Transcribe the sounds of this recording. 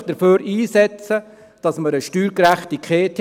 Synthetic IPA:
d̥əɾføːɾiːsɛt͡sə | d̥ɑsməɾəʃtyːɾkɾæχtikχeːtʰ

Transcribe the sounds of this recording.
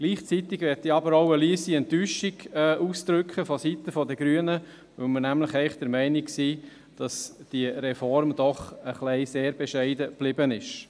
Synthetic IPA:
ɡ̥liːχt͡sit̪ɪɡʋɛɾtiɑbəɾoʊəliːəsiɛnt̪yːʃiɡɛːʔusd̪̥ɾʏkχəfɔsit̪əfɔdəɡɾyənə | ʋɵlmənæmləχɛɪχd̥̪əɾmɛɪnɪksiː | d̥ɑsd̥iəɾɛfɔɾmd̪̥ɔχəχlɛɪseːɾbɛʃɛɪdəb̥lɪbənɪʃ

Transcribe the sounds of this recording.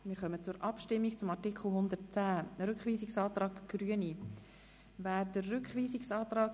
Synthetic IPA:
mɪːɾχœmət͡sʊɾʔɑpʃtɪmːikt͡sʊmɑrtikχl̩ˠɦʊnd̪ətt͡sæːəɾʏkχviːsɪksɑːt̪ɾɑːkɡ̥ɾyəni | væːɾdərːʏkχʋiːsɪksɑːt̪ɾɑːk

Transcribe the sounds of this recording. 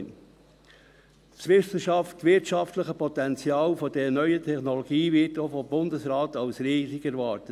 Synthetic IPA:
n | sʋɪsəʃɑftːʋɪtʃɑftləχəpʰɔtɛnt͡sjɑːlfodɛnœʏətʰɛχnɔloɡiːvɪtofobʊndəsɾaːtɑwsɾiːzikɛɾvɑːɾtə

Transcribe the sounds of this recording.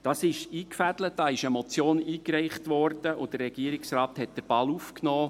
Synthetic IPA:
d̥ɑsɪʃiːkfæd̥lət̚d̥ɑːɪʃəmɔt͡sjoːniːkrɛɪχtʋɔɾd̥əʔʊd̥ərːɛɡ̥iːəɾɪksrɑːthɛt̚d̥əɾb̥ɑlufknɔː

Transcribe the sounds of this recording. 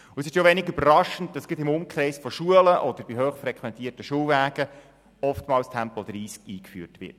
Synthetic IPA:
ʊɛsɪʃjoʋɛnɪɡybəɾɑʃənt̚dɑsɡ̥ɪtɪmʊmkχrɛɪsfɔʃuələʔɔd̥̪əɾb̥iɦøːχfɾɛkχʋɛnt̪iːərtəʃuːwvæːɡ̥ə | ɔftmɑːlstʰɛmpɔd̪̥ɾiːskiːkfy̰ːrtʋɪ̰t

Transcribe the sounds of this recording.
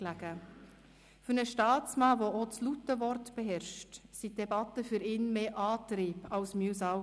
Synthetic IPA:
læɡə | fyɾnəʃtɑːt͡smɑːvoot͡slutːəvɔɾtb̥ɛɦɛɾʃtsid̥ɛbɑt̪əfyɾɪːnmeːʔɑːtɾiːbɑwsmysɑ

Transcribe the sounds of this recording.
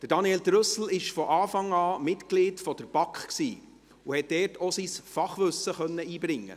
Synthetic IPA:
d̥əɾd̥ɑniɛldɾœsl̩ɪʃfɔʔɑːfɑŋɑːmɪtkliːtfɔd̥̪əɾb̥ɑkχksiː | uhɛt̚d̥ɛːrtʰosisfɑχʋɵsəχœnːəiːbɾɪŋːə̰

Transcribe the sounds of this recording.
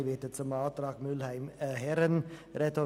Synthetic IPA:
ʋɪt̪ət̪sɔmɑːt̪ɾɑːkmʉlhæɪmhæɾənɾɛt̪ɔ

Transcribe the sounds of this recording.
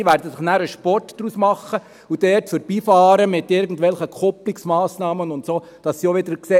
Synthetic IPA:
ʋæːɾdəsɪχnæːɾəʃpɔrtd̥ɾuːsmɑχːə | ud̥ɛtfœɾb̥iːfɑːɾəmɪt̪ɪɾɡən̩tʋɛlχəkʰɔpliksmɑːsnɑːmənʊntsoː | d̥ɑsːioʋɪdəɾkseː

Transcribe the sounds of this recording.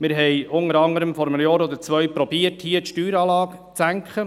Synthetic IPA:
mɪɾɦɛɪʊnəɾɑŋəɾəmfɔɾəmənəjɑːɾɔd̪əɾt͡sʋœʏpɾɔbiəthiːətʃtyːɾɑːlɑːk | t͡sæŋkχə

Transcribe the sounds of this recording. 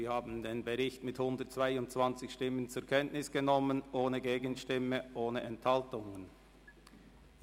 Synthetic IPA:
iːhaːbn̩deːnbəʁɪçtmɪthʊndəɐtt͡sv̥aɪʊntt͡sv̥ant͡sɪçʃtɪmənt͡sʊɐkʰɛntnɪsɡ̥ənɔmənʔoːnəɡeːɡənʃtɪməʔoːnəʔɛnthaltʊŋən

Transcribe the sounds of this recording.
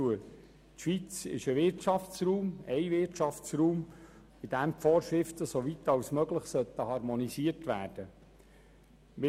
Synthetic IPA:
uə | t̪ʃʋit͡sɪ̰ʃəʋɪɾtʃɑft͡sruːmɛɪvɪrtʃɑft͡sruːm | ɪd̪æmfoːʃɾɪft̪əsoʋit̪ɑwsmœɡləχsœt̪ːəhɑɾmonisiəɾtʋæːɾd̥ə | mɪ

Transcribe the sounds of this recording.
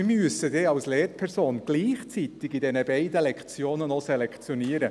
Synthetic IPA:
ɪmyəsəd̥eːɑwsleːɾpʰɛɾsoːnɡ̥liːχt͡sit̪ɪɡidɛnəbɛɪdəlɛkt͡sjoːnənosɛlɛkt͡sjɔniːəɾə

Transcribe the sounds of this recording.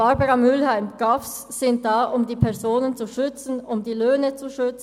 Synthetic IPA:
b̥aʁbəʁɑmʏlhaɪmɡ̥afsːɪnt̚d̥aːʔʊmdiːpʰɛʁzoːnənt͡suʃʏt͡sn̩ʊmdiːløːnət͡suʃʏt͡sn̩

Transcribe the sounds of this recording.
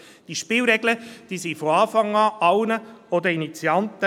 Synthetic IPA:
d̥iːʃpɪːlɾɛɡləd̥iːsifoɑːfɑŋɑːʔɑwnəod̪əinit͡sjɑnt̪ə

